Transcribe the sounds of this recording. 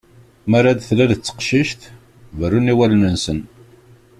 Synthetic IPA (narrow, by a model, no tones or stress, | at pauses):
mæɾaðθlæðət͡sːə̥qʃiʃθ | vərːuniwælənənsən